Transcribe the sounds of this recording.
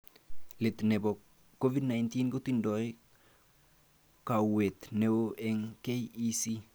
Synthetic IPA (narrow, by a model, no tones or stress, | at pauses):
letnebɔkː | ovidnajntinkotindɔj | kauwet̪neoʔeŋkejisi